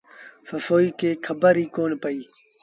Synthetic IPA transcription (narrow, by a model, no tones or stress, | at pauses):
fəsoːiːkeːkʰəbəɾiːkoːnpəiː